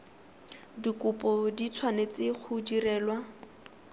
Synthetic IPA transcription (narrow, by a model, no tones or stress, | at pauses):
dikʊpɔdit͡sʰwanet͡sɪk͡xʰudirɛːlwa